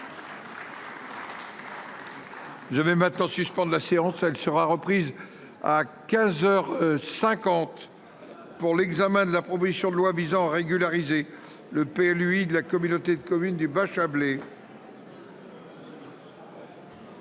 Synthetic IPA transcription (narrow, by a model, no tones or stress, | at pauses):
ʒəvɛmɛ̃t̪nɑ̃syspɑ̃d̪ʁlaseɑ̃sɛlsəʁaʁəpχiz | a̰kʲɛ̃zœʁsɛ̃kɑ̃t̪ | puʁlɛɡzamɛ̃d̪əlapχɔp̬ozisjɔ̃d̪əlwavizɑ̃aʁeɡʲylaʁize | ləpeɛlyid̪əlakɔmynot̪ed̪əkɔmynd̪ybaʃable